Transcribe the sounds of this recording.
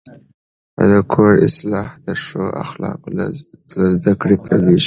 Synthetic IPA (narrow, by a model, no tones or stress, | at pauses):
a̰d̪əkʰoɽɪ̰slɑhd̪əʂoʔa̰xlɑ̰qlazd̪akɽepaɾd̪eʃi̥